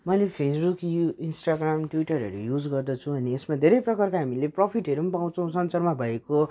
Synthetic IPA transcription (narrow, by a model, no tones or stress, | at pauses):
mʌjlepʰesbukuinsʈaɡramʈwiʈʌɾɦʌ̰ɾujud͡zɡʌrd̪ʌt͡sʰũʌniesmad̪ʱeɾʌjprʌkʌrkaɦamileprʌpʰiʈɦʌɾumpãw̃t͡sʰʌ̃w̃sʌnsʌrmabʱʌeko